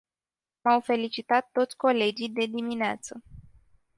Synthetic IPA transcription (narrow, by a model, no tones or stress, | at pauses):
mawfe̞lit͡ʃit̪at̪ːo̞t̪sʲko̞le̞d͡ʒijd̪e̞d̪imineat̪sə